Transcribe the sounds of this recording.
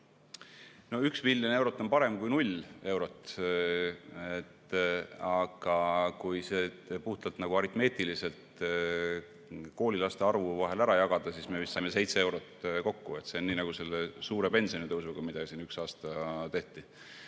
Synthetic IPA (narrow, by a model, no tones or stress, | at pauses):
no̞yksviljone̞wɾo̞t̪ːˑo̞npɑɾe̞mkujnulʲe̞wɾo̞t̪ˑ | et̪ | ɑɡ̥ɑkujseː | puht̪ɑlt̪nɑɡ̥uɑɾit̪me̞ːt̪ilise̞lt̪ | ko̞ːlʲilɑst̪e̞ɑrvuvɑɦe̞læɾɑjɑɡ̥ɑd̪̥ɑsisme̞vist̪sɑmese̞jt̪see̞wɾo̞t̪ːko̞kːue̞t̪seonːiːnɑɡ̥use̞lːesuːɾe̞pe̞nʲsionit̪ɤwsvuɡ̥ɑmid̪̥ɑsinyksɑːst̪ɑt̪e̞ht̪i